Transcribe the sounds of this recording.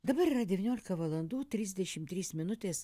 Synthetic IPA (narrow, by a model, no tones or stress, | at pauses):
d̪ɐbɐɾiːɾɐd̪ʲɛʋʲɪnʲoːlʲɪkɐʋɐlˠɐnd̪uːt̪ʲɾʲiːzʲd̪ʲɛʃʲɪmt̪ʲɾʲiːsmʲɪnʊt̪ʲeːs